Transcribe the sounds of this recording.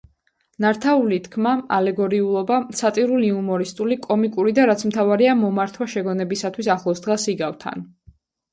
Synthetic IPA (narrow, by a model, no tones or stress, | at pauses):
naɾt̪ʰaulit̪ʰkʰmaalɛɡɔɾiulˠɔbasat̪ʼiɾuliumɔɾist̪ʼulikʼɔmikʼuɾid̪aɾat̪sʰmt̪ʰavaɾiamɔmaɾt̪ʰwaʃɛɡɔnɛbisat̪ʰwisaχlˠɔsd̪ʁasiɡavt̪ʰa̰n